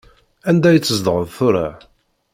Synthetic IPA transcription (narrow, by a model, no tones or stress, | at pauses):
ænd̪æjət͡sːəzd̪ʁəvθʊɾa̰